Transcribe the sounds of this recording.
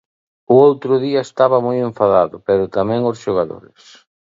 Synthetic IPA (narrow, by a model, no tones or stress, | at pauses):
ʊowt̪ɾʊðiɐest̪aβɐmojẽɱfaðaðʊpɛɾʊt̪amɛ̃ŋʊsʃoɣaðo̰ɾɪ̰s